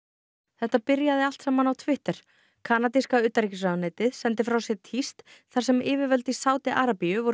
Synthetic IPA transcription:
θɛht̪apɪɾjaðɪal̥t̪saːmanawt̪ʰvɪht̪ɛɾ̥ | kʰaːnat̪iskawʏːt̪aɾicɪs̬ɾaðnejt̪ɪðsɛnt̪ɪfɾawsjɛt̪ʰist̪θaɾ̥sɛmɪːvɪɾvœlt̪isaːwt̪ɪʔaːɾapijʏvɔɾ

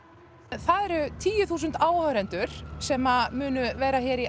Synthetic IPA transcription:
θaðɛɾʏt̪ʰiːjʏθuːs̬ʏnt̪aːwhœːɾɛnt̪ʏɾ̥sɛmamʏːnʏvɛːɾaçɛːɾi

